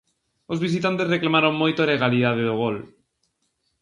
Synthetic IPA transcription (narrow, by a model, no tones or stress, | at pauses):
ozβ̞isit̪ant̪ezreklamaɾoŋmojt̪oleɣ̞aliðaðeðoɣ̞ol